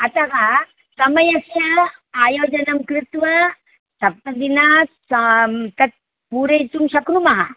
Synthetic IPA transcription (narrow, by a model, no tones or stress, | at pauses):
ɐt̪ɐkɐ | sɐmɐjɐsjɐaːjoːd͡ʒɐnɐmkɾɪt̪ʋɐ | sɐp̚t̪ɐd̪ina | t̪ɐt̪̚ | puːɾejt̪umʃɐknumɐɦɐ